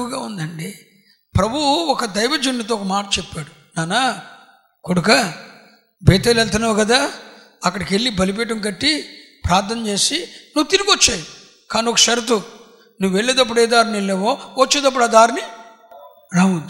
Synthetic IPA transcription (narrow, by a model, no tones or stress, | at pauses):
ɡaːund̪ɐɳɖi | pɾɐbʱuɔkɐd̪ɐjʋɐd͡ʒunːit̪̬oɔkɐmaːʈɐt͡ʃepːaːɽu | naːna | koɽukɐ | beːt̪eːlɛlt̪ɐnaːʋkɐd̪aː | ɐkːɐɽɐkeɭːibɐlip̬ɛːʈ̬ɐmk̬ɐʈːi | pɾaːɾt̪ʰɐnɐt͡ʃe̞ːsinuːt̪iɾukot͡ʃːaːju | kaːniɔkɐʃɐɾɐt̪̬u | nuʋːeɭːeːd̪ɐp̬ːuɽeːd̪aːɾnilːeːʋoːʋɐt͡ʃːeːd̪ɐp̬ːuɽaːd̪aːɾni | ɾawund̪u